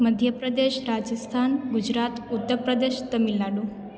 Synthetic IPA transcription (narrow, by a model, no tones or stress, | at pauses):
məd̪ʱjəpɾəd̪eʃɾad͡ʒəst̪ʰanɡud͡ʒɾat̪ut̪ːəɾpɾəd̪eʃt̪əmilːaɖũ